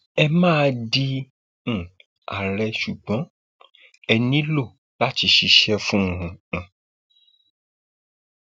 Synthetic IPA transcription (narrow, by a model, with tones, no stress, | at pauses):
ɛ˧mãː˦˧dĩ˦˧˨ | a̰˨ɾɛ˧ʃu˨ɡ͡bɔ̃˨˦ | ɛ˧nĩ˦lo˦˨ | la˦ti˨˧ʃi˧ʃɛ˦fũ˦˨ũ˨ũ˨